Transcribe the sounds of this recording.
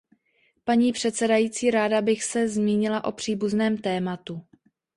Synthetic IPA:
paɲiːpr̥ɛt̪t͡sɛdajiːt͡siːɾaːdabɪxsɛzmiːɲɪlaʔo̞pr̝̥iːbuznɛːmt̪ɛːmat̪u

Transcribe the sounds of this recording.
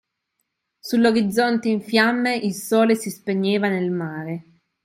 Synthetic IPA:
sulːoɾid̪zːont̪eiɱfjamːeʔilsɔːlesispeɲːeːvanelmaːɾe

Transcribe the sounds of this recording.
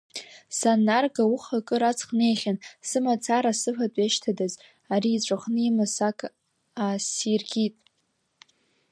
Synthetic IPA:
sanːarɡauχakʼɨɾat͡sʰʼχne̞jχʲansɨmat͡sʰaɾasɨɸatʷʼeʃtʰadaz | aɾiːt͡ɕʷʼaχnɨimɨsakʼʰ | asirɡʲitʼ

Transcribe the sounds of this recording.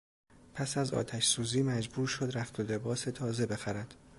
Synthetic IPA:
pʰæsæzɒ̰ːt̪ʰæʃsuːziːmæd͡ʒbuːɾʃo̞d̪ɾæxt̪ʰo̞le̞bɒːse̞t̪ʰɒːze̞be̞xæɾæd̪̥

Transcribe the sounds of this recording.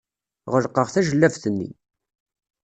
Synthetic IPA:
ʁəlqəʁθæʒəlːævθənːḭ

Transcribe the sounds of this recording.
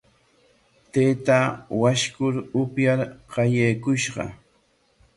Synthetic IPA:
t̪eːt̪awaʃkʊɾʊpjaɾqɑjejkʊʃɢɑ̰

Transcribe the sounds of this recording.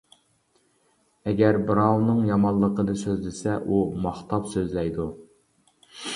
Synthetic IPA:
ɛɡʲæɾbɨɾɑwnɨŋjɑmɑllˠːəqəd̪ɨsøzlɪsɛʔumɑχt̪ʰɑpsøzlɛjd̪u

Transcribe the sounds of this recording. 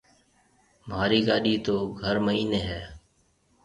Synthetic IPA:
m̤aːɾiːɡaːɗiːt̪oːɡʱəɾməɦiːneːɦɛː

